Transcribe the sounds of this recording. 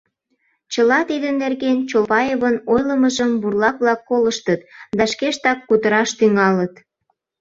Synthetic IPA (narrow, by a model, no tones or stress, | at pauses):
t͡ɕəlɑt̪id̪ənːerɣent͡ɕopɑjeβənojləməʒəmburlɑkβlɑkːoləʃt̪ət̪d̪ɑʃkeʃt̪ɑkːut̪əɾɑʃt̪yŋɑlət̪